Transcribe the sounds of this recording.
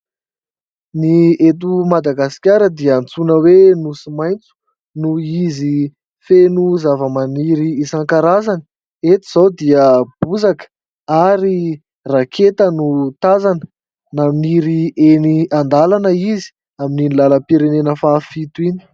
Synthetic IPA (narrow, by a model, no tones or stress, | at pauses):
niet̪̬umad̪aɡasi̥kʲaɾəd̪iəant͡sunəwenusimajnt͡su̥ | nuizi | fenuzavəmaniɾiːsaŋkaɾazanə | et̪iz̥awd̪iəb̥uzakə̥ | aɾi | rakʰet̪ənut̪azanə̥ | naminiɾieniand̪alanəizi̥ | amininilaləpiɾenenəfafit̪uini̥